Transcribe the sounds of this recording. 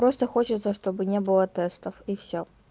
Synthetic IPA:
pɾost̪əxot͡ɕɪt̪səʂt̪o̞bɨnʲebɨlˠət̪ɛst̪əfifsʲo

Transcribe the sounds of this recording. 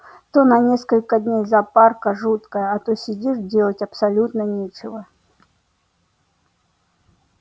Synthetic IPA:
t̪onɐnʲeskəlʲkədʲnʲejzɐparkəʐut̪kəjəɐt̪osʲɪdʲiʐdʲelˠətʲɐpsɐlʲut̪nənʲet͡ɕɪvə

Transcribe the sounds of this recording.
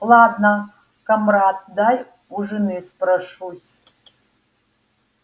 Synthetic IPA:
lˠad̪nɐ | kɐmrat̪̚d̪ajʲ | uʐɨnɨsprɐʂusʲ

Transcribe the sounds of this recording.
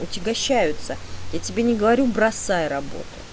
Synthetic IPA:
ʊtʲɪɡɐɕːæjʊt̪səjatʲɪbʲenʲɪɡəvɐɾʲubɾɐsːajəɾɐbo̞̰t̪ʊ̥

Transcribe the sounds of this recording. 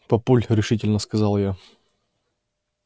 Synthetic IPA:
pɐpulʲɾʲɪʂɨtʲɪlʲnəskɐzɑlˠja

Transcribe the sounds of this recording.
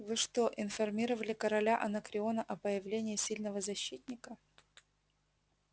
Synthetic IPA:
vɨʂt̪oʔɪnfɐrmʲiɾəvəlʲɪkəɾɐlʲaʔɐnəkɾʲɪo̞nəʔɐpəjɪvlʲenʲɪːsʲilʲnəvəzɐɕːit̪̚ʲnʲɪkə

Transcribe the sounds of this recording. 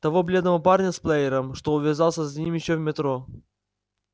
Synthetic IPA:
t̪ɐvoblʲe̞d̪nəvɐparnʲəsplˠejɪɾəmʂt̪oʊvʲɪzalˠsʲəzɐnʲimjɪɕːovmʲɪt̪ɾo

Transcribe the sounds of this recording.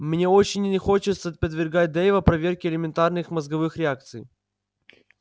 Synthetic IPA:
mnʲe̞ot͡ɕɪnʲnʲɪxo̞t͡ɕɪt̪sɐt̪̚pəd̪vʲɪrɡat̚ʲd̪ɛjvɐpɾɐvʲe̞rkʲɪlʲɪmʲɪnt̪arnɨxmɐzɡɐvɨxɾʲɪak̚t̪sɨj

